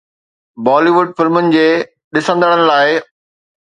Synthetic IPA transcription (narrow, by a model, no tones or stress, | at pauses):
bɔːliʋʊɖ̚fɪlmʊnɪ̆d͡ʑeː | ɗɪsə̃nd̪əɽ̃ənɪ̆laːɪ